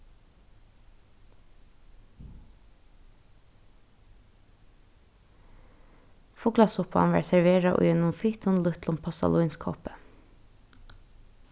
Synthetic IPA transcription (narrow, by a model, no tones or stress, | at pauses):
fʊɡlɑsʊpɑ̰nʋæ̰ːɾsæɹʋeːɹɑʔo̰ːenʊmfiːt̪ʰʊnlʉt̪lʊmpʰɑst̪ɑ̰luɪnskʰɔ̰ːpə̥